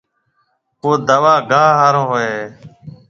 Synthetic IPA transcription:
koːd̪əʋaːɡʱaːɦaːɾõːɦoeː

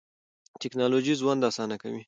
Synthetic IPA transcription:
tɪknɑlod͡ʒizwand̪ɑsɑnaka̰wi

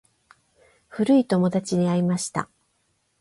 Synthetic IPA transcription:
ɸɯ̟ɾɯ̟it̪o̞mo̞d̪at͡ɕiɲ̟iaɾʲimaɕi̥t̪a̰

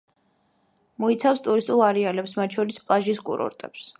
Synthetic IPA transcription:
mɔit̪sʰafst̪ʼuɾist̪ʼulˠaɾɛalɛpsmat̪̚ʰʼʃʰɔɾispʼlˠaʒiskʼṵɾɔ̰ɾt̪ʼɛ̰ps

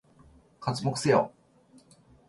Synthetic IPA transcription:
kat͡sɨmokɯ̥sejo̰

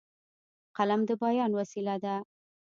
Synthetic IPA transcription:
qalamd̪əbajɑnwasilad̪a

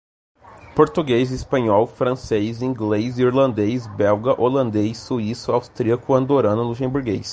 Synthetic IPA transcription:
poɾt̪uɡejzispɐ̃ɲɔwfɾɐ̃sejzĩŋɡlejziɾlɐ̃nd̪ejsbɛwɡɐʔolɐ̃nd̪ejsːuisʊawst̪ɾiɐkʊɐ̃nd̪oɾɐ̃nɐluʃẽbuɾɡejs

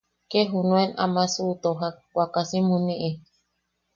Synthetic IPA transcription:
keɦunũena̰masut̪oɦawakasimunĩʔi

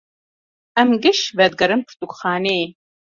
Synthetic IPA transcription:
ɐmɡɨʃbɐd̪̚ɡɐɾɨmpʰt̪ʼukʷχɑːneː

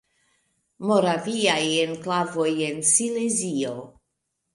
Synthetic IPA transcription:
mo̞ɾaviajenklavo̞jensilezio

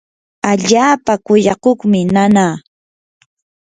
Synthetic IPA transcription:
aʎaːpakʊjɑkoχmɪnanaː

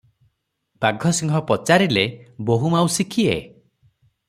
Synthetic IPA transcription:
b̥aɡʱɔsiŋɡʱɔpɔt͡ʃaɾileboɦumawsikʰiḛ

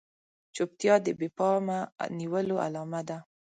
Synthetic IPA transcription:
t͡ʃop̚t̪jɑd̪əbepɑma̰niwəloʔa̰lɑmad̪a

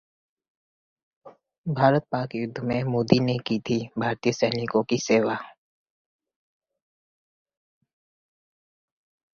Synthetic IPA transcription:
bʱaːɾət̪̚paːkjʊd̪ʱːmẽmoːd̪inekit̪ʰibʱaːɾt̪ijəsɛːnɪkõkiseːʋa

